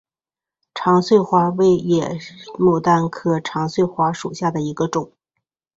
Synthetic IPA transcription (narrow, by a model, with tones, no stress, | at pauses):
ʈ͡ʂʰɑ˧˥ŋswe˥˩ɪxwa˧˥we˥˩ɪjɛ˨˩mu˨˩t̪a˥˩nkʰɤ˥˩ʈ͡ʂʰɑ˧˥ŋswe˥˩ɪxwa˧˥ʂu˨˩ɕja˥˩d̪ə˩i˧˥ɡə˧ʈ͡ʂʊ˨˩˦ŋ